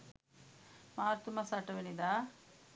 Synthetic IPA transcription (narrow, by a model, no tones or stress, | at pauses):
maːɾt̪umɐsaʈɐʋenid̪a